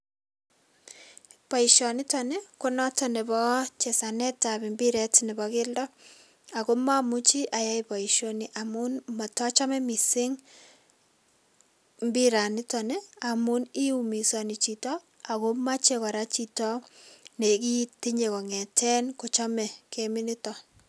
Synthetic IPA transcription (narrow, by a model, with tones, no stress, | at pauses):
pɔ˨i˨ʃɔ˨ni˦tɔ˨ne˦ko˦nɔ˦tɔ˦ne˨bɔ˦t͡ʃe˨sa˨nɛ˦ta˨bi˨mbi˦ɾɛ˦tnɛ˨bɔ˦kɪ˦ldɔ˦ | a˨ko˦ma˦mu˦t͡ʃi˦ʔa˨ja˦ipɔ˨i˨ʃo˦ni˦ʔa˨mu˦nma˨tɔ˦t͡ʃɔ˦mɛ˦mi˨sɪ˦ŋ | mbi˦ɾa˨nɪ˦tɔ˨ne˦a˨mu˦ni˦umi˨sɔ˨ni˨t͡ʃi˨tɔ˦ | a˨ko˦ma˦t͡ʃe˦kɔ˨ɾa˦t͡ʃi˦tɔ˦ne˨ki˦ti˦ɲe˨kɔ˨ŋɛ˨tʰɛ˦nko˨t͡ʃɔ˦mɛ˨ke˦mi˦ni˦tɔ˨